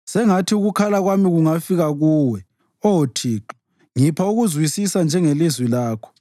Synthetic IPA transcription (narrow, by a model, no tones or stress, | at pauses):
sɛŋatʰiuɣukʰalaɣwamiɣuŋafiɣaɣuːwɛ | ɔotʰiːǃi̥ | ŋipʰauɣuzwisisand͡ʒʱɛŋelizwilaːkʰɔ̥